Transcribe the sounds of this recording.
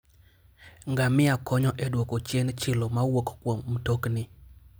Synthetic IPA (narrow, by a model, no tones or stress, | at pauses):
ŋɡamɪakɔɲɔʔɛdwokot͡ʃent͡ʃɪlomawokkwomːtoknɪ